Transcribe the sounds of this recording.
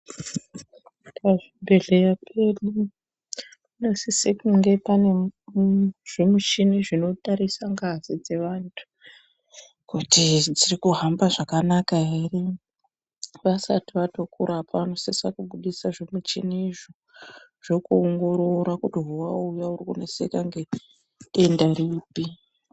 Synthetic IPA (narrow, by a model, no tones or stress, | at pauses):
paʐimbe̞ɮe̞japʰelu | inosisekuŋɡe̞pane̞ | ʐ̥emut͡ʃiniʐinotʼaɾisaŋɡazid͡ze̞ʋantʰu̥ | kutid͡zirikuɦambaʐakanakaɦere | ʋasatiʋato̞kuɾapaano̞sesakuɓuɗisaʐemut͡ʃiniːʐo | ʐ̥okuoŋɡo̞ɾo̞ɾakutiɦuwaujaurikṵnesekaŋɡe̞ | endariːpi